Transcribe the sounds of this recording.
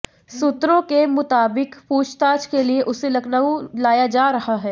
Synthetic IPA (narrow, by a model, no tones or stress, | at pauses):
sʊt̪ɾõkemʊt̪aːbɪkpuːt͡ʃt̪aːd͡ʒkelieʔʊselɐɡnaulaːjad͡ʒaːɾɐɦaɦɛː